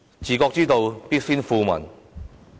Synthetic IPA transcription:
t͡siː˨˩kɔː˧k̚t͡siː˥t̪o˧wpiː˥t̚fiː˥nfuː˧mɐ̰˨˩n

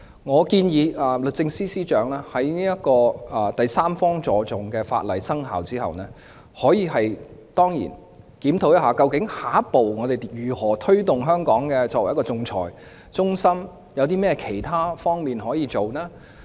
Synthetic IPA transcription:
ŋɔː˨˧kiː˧njiː˨˧ʔɐː˨˧lɵ˨t̚t͡sɪ˧ŋsiː˥siː˥t͡ʃœː˨˥ŋlɛː˥hɐ˨˥jniː˥jɐ˥t̚kɔː˧ɐ˨˩t̪ɐ˨jsaː˥mfɔː˥ŋt͡sɔː˨˧t͡sʊ˨˩ŋkɛː˧fa̰ː˧t̚lɐ̰˨˩jsɐ˥ŋɦa̰ː˨wt͡siː˥hɐ̰˨wnɛː˥ | hɔː˨˥jiː˨˧ɦɐ˨jt̪ɔː˥ŋjḭː˨˩n | kiː˨˥mt̪ʰo˨˥wjɐ˥ɦaː˨kɐ˧wkɪ˨˥ŋhaː˨˥po˨wŋɔː˨˧t̪e˨jjyː˨˩hɔː˨˩t̪ʰɵ˥ɥt̪ʊ˨ŋɦœː˥ŋkɔː˨˥ŋkɛː˧t͡sɔː˧k̚wjkɔ˧ʊ˧ŋt͡sʰɔ̰ː˨˩j | t͡sʊ˥ŋsɐ˥m | jɐ˨˧wt̪iː˥mɛː˥kʰe˨˩jt̪ʰaː˥fɔː˥ŋmiː˨nɦɔː˨˥jiː˨˧t͡so˨wnaː˥

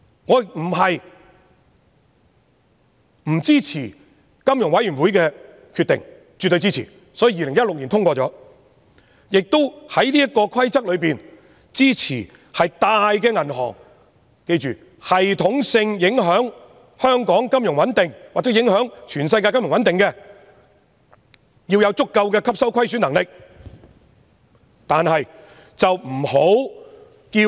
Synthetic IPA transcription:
ŋɔː˨˧m̩˨˩ɦɐ˨j | m̩˨˩t͡siː˥t͡sʰiː˨˩ | kɐ˥mjʊ˨˩ŋwɐ˨˥jɥyː˨˩nwuː˨˥jkɛː˧ | kʰy˧t̪ːɪ̰˨˩ŋ | t͡ʃy˨˩t̪ːɵ˧t͡siː˥t͡sʰḭ˨˩ | sɔː˨˥jiː˨˧˩jiː˧lɪ˨˩ŋjɐ˥t̚lʊ˨k̚niː˨˩nt̪ʰʊ˥ŋkʷɔː˧t͡sɔː˨˥ | jɪ˨k̚t̪o˥whɐ˨˥jliː˥jɐ˥t̚kɔː˧kʰɐ˥jt͡sɐ˥k̚lɵ˨˧ɥpiː˨n | t͡siː˥t͡sʰiː˨˩ | hɐ˨jt̪aː˧jkɛː˧ŋɐ˨˩nɦɔ̰ː˨˩ŋ | ke˧jt͡ʃyː˨ | hɐ˨jt̪ʰʊ˨˥ŋsɪ˧ŋjɪ˨˥ŋɦœː˨˥ŋ | hœː˥ŋkɔː˨˥ŋkɐ˥mjʊ˨˩ŋwɐ˨˥nt̪ɪ˨ŋwaː˨k̚t͡sɛː˨˥jɪ˨˥ŋhœː˨˥ŋt͡ʃʰyː˨˩nsɐ˧jk̬aː˧jkɐ˥mjʊ˨ŋwɐ˨˦nt̪ɪ˨ŋkɛː˧ | jiː˧wjɐ˨˧wt͡sʊ˥kːɐ˧wkɛː˧kʰɐ˥p̚sɐ˥wkʷʰɐ˥jsyː˨˥nɐ˨˩ŋlɪ˨k̚ | t̪aː˨nhɐ˨j | t͡sɐ˨wm̩˨˩ho˨˥w | kiː˧

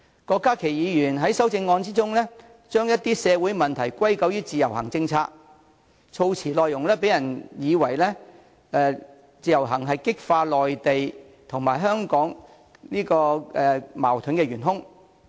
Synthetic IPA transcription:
kɔː˧kːaː˥kʰe˨˩jjiː˨˧jyː˨˩nɦɐ˨˥jsɐ˥wt͡sɪ˧ŋːɔː˧nt͡siː˥t͡sʊ˥ŋlɛː˥ | t͡ʃœː˥ŋjɐ˥t̚t̪iː˥sɛː˨˧wuː˨˥jmɐ˨nt̪ʰɐ˨˩jkʷɐ˥jkɐ˨˥wjyː˥t͡siː˨jɐ˨˩whɐ˨˩ŋt͡sɪ˧ŋt͡sʰaː˧k̚ | t͡sʰo˧wt͡sʰiː˨˩lɔː˨˧jʊ˨˩ŋlɛː˥pe˨˥jɐ˨˩njiː˨˧wɐ˨˩jlɛː˥ | ɛː˨˧ | t͡siː˨˧jɐ˨˩wɦɐ˨˩ŋɦɐ˨jkɪ˥k̚faː˧lɔː˨jt̪e˨j | t̪ʰʊ˨˩ŋmaː˨˩jɦœː˥ŋkɔː˨˥ŋ | niː˥kɔː˧ɛ˨ma̰ː˨˩wt̪ʰɵ˨˥nkɛ˧jɥyː˨˩nɦʊ˥ŋ

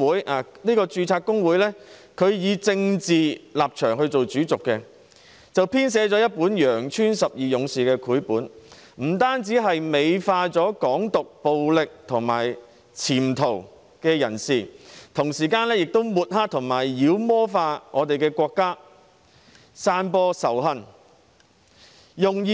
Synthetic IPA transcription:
wuː˨˥jaː˨˩niː˥kɔː˧t͡ʃyː˧t͡sʰaː˧k̚ʊ˥ŋwuː˨˥jlɛː˥ | kʰɵ˨˧ɥjiː˨˧t͡sɪ˧ŋt͡siː˨laː˨p̚t͡ʃʰœː˨˩ŋhɵ˧ɥt͡so˨wt͡syː˨˥t͡sʊ˨kːɛ˧ | t͡sɐ˨wpʰiː˥ns̬ɛː˨˥t͡sɔː˨˥jɐ˥t̚puː˨˥njœː˨˩ŋt͡ʃʰyː˥nsɐ˨p̚jiː˨jʊ˨˧˥ŋsiː˨˩kɛː˧kʰuː˨˥jpuː˨˥n | m̩˨˩t̪aː˥nt͡siː˨˥ɦɐ˨jme˨˧jfaː˧t͡sɔː˨˥kɔː˨˥ŋt̪ʊ˨k̚po˨wlɪ˨k̚t̪ʰʊ˨˩ŋma̰ː˨˩j | t͡sʰiː˨˩mt̪ʰo˨˩w | kɛː˧jɐ˨˩nsiː˨˩t̪ʰʊ˨˩ŋsiː˨˩kaː˧nlɛː˥jɪ˨k̚t̪o˥wmuː˨t̚ha˥k̚t̪ʰʊ˨˩ŋmaː˨˩jːiː˨˧˥wmɔː˥faː˧ŋʔɔː˨˧t̪e˨jkɛː˧kʷɔː˧kːaː˥ | saː˧npɔː˧sɐ˨˩wɦɐ˧n | jʊ˨ŋj

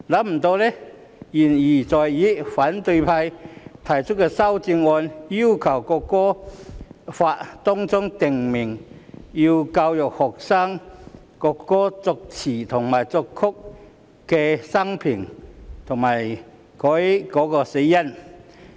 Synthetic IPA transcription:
la˨˥m̩˨˩t̪o˧lɛ˦˥ | ji˨˩nji˨˩t͡sɔ˨jji˨˦˥fa˨˥nt̪ɵ˧jpʰa˧jt̪ʰɐ˨˩jt͡ʃʰʊ˥kɛ˧sɐ˥wt͡si˧ŋɔː˧nji˥wkʰɐ˨˩wkɔ˧kːɔː˥ | fa˧tt̪ɔ˥ŋt͡sʊ˥ŋt̪ɪ˨ŋmɪ˨˩ŋji˧wka˧wjʊ˨˩k̚hɔ˨˩k̚sa˥ŋ | kɔ˧kːɔː˥t͡sʊ˧k̚t͡sʰiː˨˩t̪ʰʊ˨˩ŋmaː˨˩jt͡sɔ˧kʰːʊ˥k̚ | kːɛ˧sɐ˥ŋpʰi˨˩ŋt̪ʰʊ˨˩ŋmaː˨˩j | kʰɔ˨˥jkɔ˨˥kɔː˧se˨˧jjɐ˥˨n

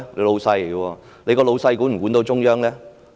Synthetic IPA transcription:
le˨˧lo˨˧wsɐ˧jɡwɔː˧ | le˨˧kɔː˧lo˨˧wsɐ˧jkuː˨˥nm̩˨˩kuː˨˥nt̪o˧wt͡ʃʊ˥ŋjœː˥ŋlɛː˥

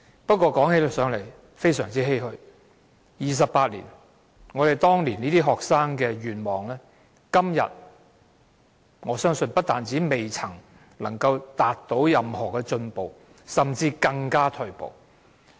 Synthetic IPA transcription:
pɐ˥t̚kːʷɔː˧kɔː˨˥ŋhe˨˧˥lsœː˨˥ŋle˨˩j | fe˥jsœː˨˩ŋt͡siː˥ɦe˥jhɵ˧ɥ | jiː˨˩s̬ɐ˨pːaː˧t̚lḭ˨˩n | ŋɔː˨˧ɾe˨˩jt̪ɔː˥ŋliː˨˩niː˥t̪iː˥ɦɔː˨˩k̚saː˥ŋkɛː˧ɥyː˨˩nmɔː˨˩ŋlɛː˥ | kɐ˥mjɐ̰˨t̚ | ŋɔː˨˧sœː˥ŋsɵ˧npɐ˥t̚t̪aː˨nt͡siː˨˥me˨jt͡sʰɐ˨˩ŋ | lɐ˨˩ŋkɐ˧wt̪aː˨t̚t̪o˨˥wjɐ˨mhɔː˨˩kɛː˧t͡ʃɵ˧npo˨w | sɐ˨mt͡siː˧kɐ˧ŋkaː˥t̪ʰɵ˧ɥpo̰˨w

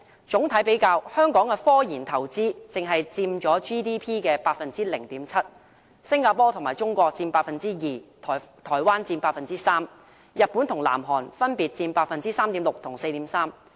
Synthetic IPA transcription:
t͡ʃʊ˨˥ŋt̪ʰɐ˨˥jpe˨˥jkaː˧whœː˥ŋkɔː˨˥ŋkɛ˧fɔː˥jiː˨˩nt̪ʰɐ˨˩wt͡siː˥t͡sɪ˨ŋɦɐ˨jt͡siː˧mt͡ʃɔː˨˥t͡ʃiː˥t̪iː˥pʰiː˥kɛː˧paː˧t̚fɐ˨nt͡siː˥lɪ˨˩ŋt̪iː˨˥mt͡sʰɐ˥t̚ | sɪ˥ŋkaː˧pɔː˥t̪ʰʊ˨˩ŋmaː˨˩t͡ʃʊ˥ŋkʷɔː˧k̚t͡siː˧npaː˧t̚fɐ˨nt͡siː˥jiː˨t̪ʰːt̪ʰɔː˨˩jwaː˥nt͡siː˧npaː˧t̚fɐ˨nt͡siː˦˥saː˥m | jɐ˨t̚pu˨˥nt̪ʰʊ˨˩ŋla̰ː˨˩mɦɔː˨˩nfɐ˥npiː˨˧t̚t͡siː˧npaː˧t̚fɐ˨nt͡siː˥saː˥mt̪iː˨˥lʊ˨k̚t̪ʰʊ˨˩ŋse˧jt̪iː˨˥msaː˥m

